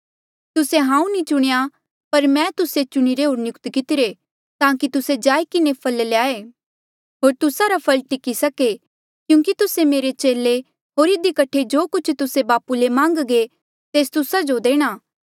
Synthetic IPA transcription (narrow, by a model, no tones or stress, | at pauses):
t̪ʊseɦãːũnĩt͡ʃʊɽ̃eja | pɐɾmɛ̃ːt̪ʊset͡ʃʊɽ̃iɾeɦoːɾnjʊkt̪kɪt̪ɪɾe | t̪ãːkit̪ʊsed͡ʒaːikɪnepʰɐlljaːe | ɦoːɾt̪ʊsaɾapʰɐlʈɪkisɐke | kjũːkit̪ʊsemeːɾet͡ʃeːle | ɦoːɾɪd̪ikɐʈʰed͡ʒoːkʊt͡ʃʰt̪ʊsebaːpulemãːŋɡɡe | t̪eːst̪ʊsad͡ʒod̪eːɽ̃aː